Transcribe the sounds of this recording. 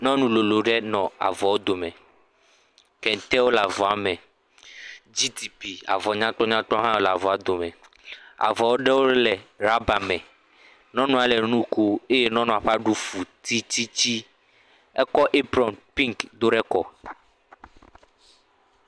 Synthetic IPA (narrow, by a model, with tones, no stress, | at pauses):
nɔ̃˦nũ˨lo˨lo˨ɖɛ˦nɔ̃˨a̰˨vɔ˨wo˦d̪o˨mɛ̃˨ | kɛ̃˨n˨t̪ɛ˦wo˦la˨vɔ˨a˨mɛ̃˨ | d͡ʑi˦t̪i˨pi˨a̰˨vɔ˨ɲã˦t̪ɔ˦ɲã˦t̪ɾɔ˦ɦã˦wo˦la˨vɔ˨a˨d̪o˨mɛ̃˨ | a̰˨vɔ˨wo˦ɖɛ˦wo˦lɛ˨ɾa˦ba˨mɛ̃˨ | nɔ̃˦nɔ̃˨a˨lɛ˨nũ˦ko˦e˦jɛ˦nɔ̃˦nɔ̃˨a˨ɸa˦ɖu˦fu˨t̪i˦t̪i˦t͡ɕi˦ | ɛ˦kɔ˦ʔe˦bɾɔ˨npĩ˦ŋkd̪o˦ɖɛ˦kɔ˨